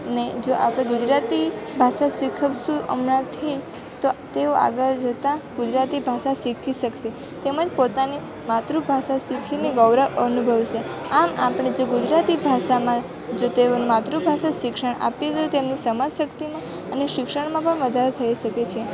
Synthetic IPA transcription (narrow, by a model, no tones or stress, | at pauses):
əned͡ʒoʔa̰pɽ̃ẽɡud͡ʒɾat̪ibʱaʃasikʰəʋʃũʔə̰mnãt̪ʰəi | t̪ot̪eoʔa̰ɡəɾd͡ʒət̪ãɡud͡ʒɾat̪ibʱaʃasikʰiʃəkʃe | t̪eməd͡ʒpot̪ani | mat̪ɾubʱaʃasikʰineɡəʋɾəʔənubʱəʋʃeamapɳ̃ed͡ʒoɡud͡ʒɾat̪ibʱaʃamã | d͡ʒot̪eonmat̪ɾubʱaʃaʃɪkʃəɳa̰pet̪ot̪emnisəmad͡ʒsəkt̪imã | əneʃɪkʃəɳ̃mãpəɳʋəd̪ʱaɾet̪ʰəiʃəket͡ʃʰie